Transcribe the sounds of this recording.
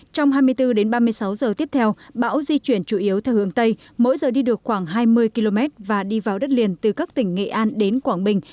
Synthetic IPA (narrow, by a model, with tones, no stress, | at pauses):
t͡ɕɔ˧wŋ͡mɦaː˧jmɨ˧əjt̪ɨ˧ɗe˨˦nɓaː˧mɨ˧əjsa˨˦wzəː˨˩t̪i˦˥əp̚t̪ʰɛ˧wɓa̰ː˧˥wzi˧t͡ɕwi˧˩ənt͡ɕu˧˩ʔi˨˦əwt̪ʰɛ˧whɨ̰˧˩əŋt̪ə˧j | mo̰˧˥jzəː˨˩ɗi˧ɗɨ˨˩ək̚xwaː˧˩ŋɦaː˧jmɨ˧əjki˧lo˧mɛ˦˥t̚vaː˨˩ɗi˧vaː˨˩wɗə˦˥t̚li˨˩ənt̪ɨ˨˩kaː˦˥k̚t̪ï˧˩ŋ̟ːḛ˧˨ʔaː˧nɗe˨˦nkwaː˧˩ŋɓï˨˩ŋ̟